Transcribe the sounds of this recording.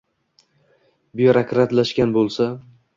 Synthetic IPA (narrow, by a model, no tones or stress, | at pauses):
bijoɾokɾat̪laʃkʲanbolˠsa